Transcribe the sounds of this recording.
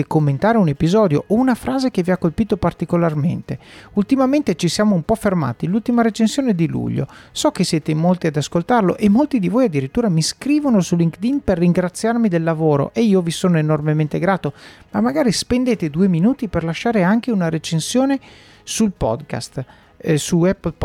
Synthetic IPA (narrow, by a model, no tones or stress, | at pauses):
komːent̪aːɾeunepizɔd̪joʔounafɾaːzek̟eviakːolpiːt̪opart̪ikolarmḛnt̪eult̪imament̪et͡ʃisjaːmoumpɔferma̰ːt̪ilult̪imaɾet͡ʃensjoːned̪ilṵʎːo̰sɔkːesjɛːt̪emolt̪iad̪askolt̪arlo̰ʔemːolt̪id̪ivoːjad̪ːiɾit̪ːuːɾamiskɾiːvonosulːiŋkd̪inperːiŋɡɾat̪sːjarmid̪elːavoːɾo̰ʔeiːovisoːnoenormement̪eɡɾaːt̪omamːaɡaːɾispend̪eːt̪ed̪ueminuːt̪iperlaʃːaːɾeaŋkeunaɾet͡ʃensjoːne | sulpɔ̰d̪ka̰st̪ | suɛpːlp